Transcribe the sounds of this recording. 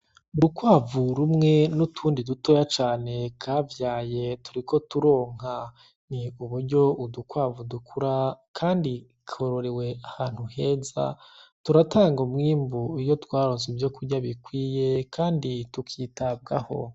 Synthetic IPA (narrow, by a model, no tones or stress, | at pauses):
uɾukwaːvuɾumŋe̞nutʰuːndiduto̞jat͡ʃaːne̞kʰavjaːje̞tʰuɾikʰo̞tuɾo̞ːŋ̥a | niuβuɾɟo̞ʔudukwaːvudukʰuɾakʰaːndi | kʰo̞ɾo̞ɾewe̞ahaːn̥huhe̞ːza̰tuɾatʰaːŋɡomŋiːmbuijo̞twaːɾoːnzivjo̞kuɾɟaβikwiːje̞kʰaːnditukʰiːtab̚ɡa̰ho̞̰